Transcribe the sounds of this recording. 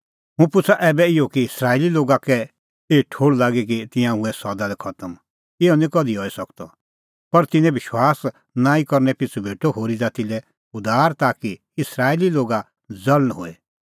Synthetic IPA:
ɦũpʊt͡sʰaʔɛːbɛɪjokiɪsɾaːililoːɡakɛ | eːʈʰoːɽlaːɡik̬it̪ɪ̃jãʊ̃ɛsɔd̪alɛkʰɐt̪əm | ɪɔnĩkɔd̪ʱiɔːisɐkt̪ɔ | pɐɾt̪ɪ̃nɛ̃bɪʃwaːs | nãːĩkɔɾnɛpɪt͡sʰubʱeːʈoɦoːɾid͡zaːt̪ilɛ | ʊd̪aːɾt̪aːki | ɪsɾaːililoːɡa | d͡zɐlənɦo̰ːe

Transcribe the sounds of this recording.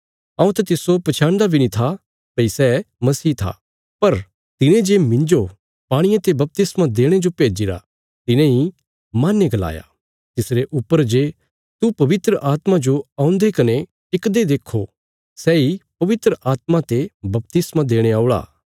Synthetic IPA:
ãũt̪at̪ɪsopɐt͡ʃʰãːɳɖabʱinĩt̪ʰa | pɐisɛːmɐsiːt̪ʰa̰ | pɐɾ | t̪ɪnẽd͡ʒemɪ̃ɲd͡ʒo | paːɽ̃ɪjãt̪ebɐp̚t̪ɪsmad̪eːɽ̃ed͡ʒopeːd͡ʒiɾa̰ | t̪ɪnẽi | maːnːeɡɐla̰ːja̰ | t̪ɪsɾeʔʊpːəɾd͡ʒeː | t̪upɐʋɪt̪ɾəʔaːt̪mãd͡ʒoaːʊ̃nd̪ekɐne | ʈɪkd̪ed̪eːkʰːo | sɛipɐʋɪt̪ɾəʔaːt̪mãt̪ebɐp̚t̪ɪsmad̪eːɽ̃eaːʊɽa̰ː

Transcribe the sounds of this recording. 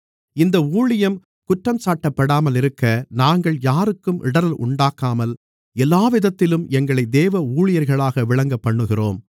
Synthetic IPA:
ɪnd̪ɐuːɭɪjɐm | kʊʈrɐmsaːʈːɐpːɐɽaːmɐlɪɾɯkːɐnaːŋɡɐɭjaːɾɯkːɯmʔɪ̰ɽɐɾɐlʔʊ̰ɳɖaːkaːmɐl | ɛlːaːʋɪðɐt̪ːɪlɯmɛŋɡɐɭɐɪd̪eːʋɐuːɻɪjɐɾɣɐɭaːɣɐʋɪɭɐŋɡɐpːɐɳːɯɣɪro̰ːm

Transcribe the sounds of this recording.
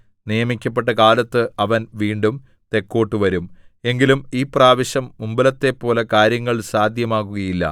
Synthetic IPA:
nijɐmikʲːɐp̬ːe̞ʈːɐkaːlɐt̪ːɨʔɐʋɐnʋiːɳɖum | t̪e̞kːo̞ːʈːɨʋɐɾume̞ŋɡilumiːpraːʋɐɕɐmːumbɐlɐt̪ːe̞pːo̞ːlekaːɾjɐŋːɐɭsaːd̪ʱjɐmaːɣuɣɐjilːɐ̰

